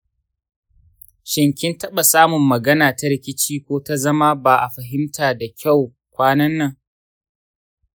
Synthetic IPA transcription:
ʃɪ˨ŋkʲɪ˦ntɐ˦ɓa˨saː˦mʊ˨mːɐ˨ɡɐ˦naː˨ta˦ɾɪ˦kʲɪ˦t͡ʃiː˦kʷoː˦ta˦zɐ˦ma˦baː˨ʔa˨ɸɐ˨ɦɪ˦mtaː˨da˨kʲa˦˨w | kʷaː˦nɐ˦nːɐ˦˨ŋ

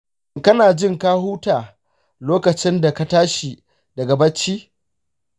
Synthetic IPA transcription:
kɐ˦naː˨d͡ʒɪ˦ŋkaː˦huː˦taː˨ | loː˦kɐ˨t͡ʃɪ˦nda˨ka˦taː˦ʃi˨ | dɐ˨ɡa˨bɐ˦t͡ʃːiː˦

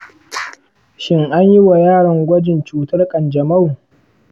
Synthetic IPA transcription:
ʃɪ˦ŋʔa˦ɲji˦wa˨jaː˦ɽɐ˨ŋɡʷɐ˦d͡ʒɪ˨nt͡ʃuː˦tɐ˦rkʼɐ˨nd͡ʒɐ˨ma˦˨wu˨

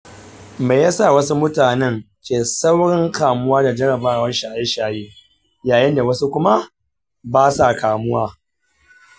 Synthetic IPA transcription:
me˨ja˦sa˦˨wɐ˦su˦mʊ˦taː˨nɛ˦n | t͡ʃeː˨sa˦wɽɪ˦ŋkaː˨mʊ˦waː˦da˨d͡ʒɐ˦ɽɐ˨baː˦˨wɐ˦ʃaː˨ʔe˦ʃaː˨jeː˦ | jaː˨jɪ˦nda˨wɐ˦su˦kʷʊ˦ma˦ | baː˦sa˨kaː˨mʊ˦waː˦

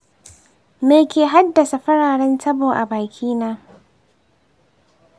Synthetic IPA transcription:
meː˨kʲeː˨ɦa˦dːɐ˨sa˨ɸɐ˦ɽaː˨ɽɛ˦ntɐ˦boː˨ʔa̰˨baː˨kʲʰiː˦naː˦

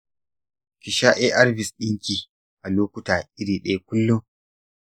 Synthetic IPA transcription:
kʲɪ˨ʃa˦ʔe˦ʔa˦rbɪ˨sɗɪ˦ŋkʲiː˨ | ʔa˨loː˦kʷʊ˦taː˨ʔɪ˦ɽiː˨ɗɐ˦a˦k̚ʷʊ˦lːu˦

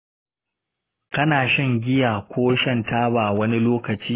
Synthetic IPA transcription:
kɐ˦naː˨ʃɪ˦ŋɡʲɪ˦jaː˨kʷoː˦ʃɐ˦˨ntaː˦baː˨wɐ˦ni˦loː˦kɐ˨t͡ʃiː˦

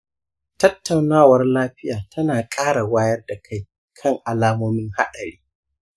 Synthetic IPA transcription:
tɐ˦tːa˨wnaː˦˨wɐ˦rlaː˦ɸɪ˦jaː˨tʰɐ˦naː˨kʼaː˦ɽa˨waː˦jɐ˦rda˨kʰa˦˨j | kʰɐ˦ŋʔa˨laː˦moː˦mɪ˦ŋha̰˦ɗɐ˨ɽiː˦

